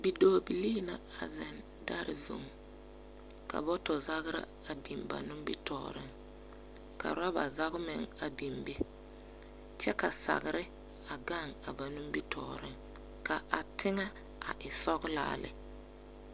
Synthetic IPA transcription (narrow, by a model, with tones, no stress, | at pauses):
bi˨doː˦bi˨liː˦na˨a˨zɪ˨n | da˦ɾɪ̰˨zṵ˨m | ka̰˨bɔ˦tɔ˨za˦ɣɪ˦ɾa̰˦a˨bi˨mba̰˨nʊ˦m˦bi˦tɔ̰ː˨ɾɪ̰˦ŋ | ka̰˨ɾa˦ba˨za˦ɣʊ˦mɪ˨ŋa˨bi˨mbe˦ | t͡ʃɛ˦ka˨sa̰˨ɣɪ˨ɾɪ˦ | a˨ɡa˦˨ŋa˨ba˨nʊ˦mbi˦tʰɔː˨ɾɪ˦ŋ | ka˨ʔa˨tʰɪ˦ŋa˦ | a̰˨ʔɪ˨sɔ˦ɣla̰ː˦lɪ̰˨